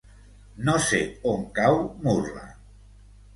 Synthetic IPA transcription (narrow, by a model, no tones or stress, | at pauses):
noseoŋkawmura̰